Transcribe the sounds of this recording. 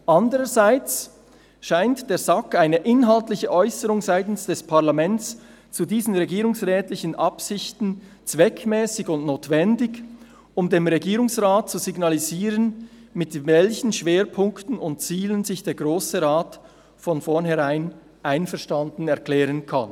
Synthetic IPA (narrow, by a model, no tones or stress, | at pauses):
ʔɑndəʁəzaɪt͡s | ʃaɪntd̥eːɐzɑkaɪnəʔɪnɦaltlɪçəʔɔʏsəʁʊŋzaɪtn̩sd̥ɛspʰaʁlamɛnt͡s | t͡sudiːzn̩ʁeɡiːɾʊŋsʁɛːtlɪçənʔɑpsɪçtn̩ | t͡svɛkʰmɛːsɪçʊntnoːtv̥ɛndɪɡ | ʊmdeːmʁeɡiːʁʊŋsʁaːt̚t͡suziɡnaliziːʁənmɪtvɛlçn̩ʃv̥eːɾpʰʊŋktn̩ʊntt͡siːlənzɪçd̥eːɐɡʁoːsəʁaːt | fɔnfɔnɦɛʁaɪn | ʔaɪnfɛɐʃtandn̩ɛɐklɛːʁənkʰa̰n